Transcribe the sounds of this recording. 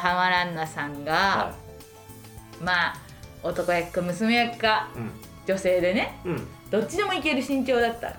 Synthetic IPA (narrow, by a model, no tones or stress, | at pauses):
hamaɾãnːasãŋɡa | maː | ot̪o̞kojakːamɯ̟sɨmejakːa | d͡ʑo̞se̞ːd̪e̞ne̞ | d̪̥o̞t͡ɕt͡ɕːid̪e̞mo̞ike̞ɾɯ̟ɕĩɲt͡ɕo̞ːd̪at̪ːa̰ɾ